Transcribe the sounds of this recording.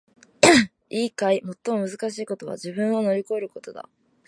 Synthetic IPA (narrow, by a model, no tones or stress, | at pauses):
iːkaimo̞t̪ːo̞mo̞mɯ̟zɨkaɕiːko̞t̪o̞βa̰ʑibɯ̟̃ɰ̃o̞no̞ɾʲiko̞e̞ɾɯ̟ko̞t̪o̞d̪a̰